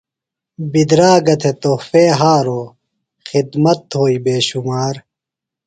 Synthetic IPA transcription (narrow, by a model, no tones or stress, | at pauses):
bid̪ɾaːɡɐt̪ʰet̪ofeːɦaːɾoː | xid̪mɐt̪ɦoːibeːɕumaːɾ